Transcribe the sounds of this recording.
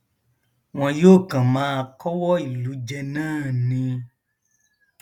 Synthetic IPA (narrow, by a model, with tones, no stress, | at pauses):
w̃ɔ̃˧joː˦˨kã˨mãː˦˧kɔ˦wɔ˦i˦˨lu˨˦d͡ʒɛ˧nãː˦˨nĩ˧